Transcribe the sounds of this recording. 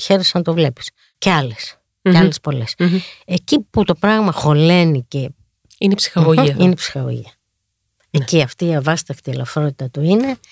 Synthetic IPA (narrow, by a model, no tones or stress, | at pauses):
çe̞ɾesɐnɐt̪o̞vle̞pi̥s | ceɐle̞s | eɐlespo̞le̞seciput̪o̞pɾɐɣmɐxo̞le̞nice̞ | inepsi̥xɐɣoiɐineipsi̥xɐɣo̰ʝiɐ | eciɐft̪iiɐvɐst̪ɐkt̪ielɐfɾo̞t̪it̪ɐt̪uine̞